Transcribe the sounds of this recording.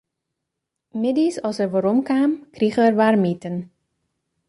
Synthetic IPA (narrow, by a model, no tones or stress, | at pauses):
mɪdisɔlˠsərʋoɾɔmkaːmkriɣəərʋaːrmitən